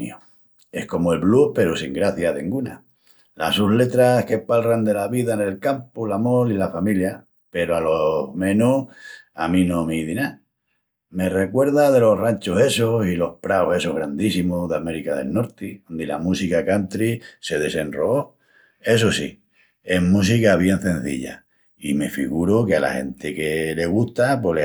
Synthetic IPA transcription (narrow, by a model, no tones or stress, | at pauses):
o | e̞hko̞moe̞lβluhpe̞ɾosiŋɡɾaθjaðeŋɡuna̰ | la̰suɦle̞t̪ɾahke̞palrand̪e̞laβiðane̞lkampolamolilafamilja | pe̞ɾoalohmẽ̞nua̰mĩno̞miðina | me̞re̞kwe̞ɾðaðe̞lo̞rant͡ʃose̞sosilo̞hpɾaohe̞soɦɣɾand̪isimoðeame̞ɾikaðe̞̰lno̞ɾt̪iond̪ila̰musikakant̪ɾise̞ðe̞se̞nroo | e̞s̬osi | emus̬ikaβje̞n̟θẽ̞n̟θḭʎa̰ | ime̞fḭɣuɾokea̰la̰he̞̰nt̪ekele̞ɣ̞uht̪apwele